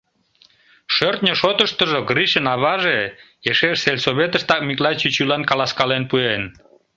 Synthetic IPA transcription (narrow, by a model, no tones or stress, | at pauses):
ʃørt̪nʲəʃot̪əʃt̪əʒoɣriʃənɑβɑʒe | jeʃeʃselʲsoβet̪əʃt̪ɑk̚miklɑt͡ɕit͡ɕylɑnkɑlɑskɑlenpuen